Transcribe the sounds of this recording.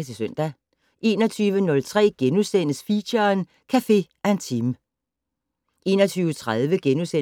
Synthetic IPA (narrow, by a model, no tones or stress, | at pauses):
sisøn̰d̥æ | ʔe̝ːnɒt͡sʰyːʋənɔ̽lt͡sʰʁɛ̰ːɡ̥enusen̰əsfiɕɐn | kʰæfe̝̰ː | æe̝nt͡sʰim | ʔe̝̰ːnɒt͡sʰyːʊət͡sʰʁaðˠʋəɡ̥enuse